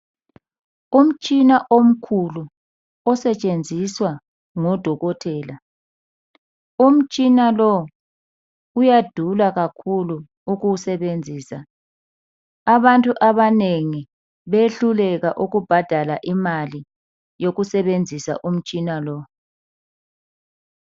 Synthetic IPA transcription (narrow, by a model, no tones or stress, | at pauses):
um̩t͡ʃʼinaʔom̩kʰulu | ɔsɛt͡ʃʼend͡zʱiswa | ŋɔd̥ʱɔɣɔtʰɛːla | um̩t͡ʃʼinalɔ | ujad̥ʱulaɣakʰuluː | ɣusɛβend͡zʱiːsa | aβantʼuʔaβaneŋi | βeɬulɛɣaʔuɣub̥ʱad̥ʱalaʔimali | joɣusɛβend͡zʱisa̰ʔum̩t͡ʃʼinalɔ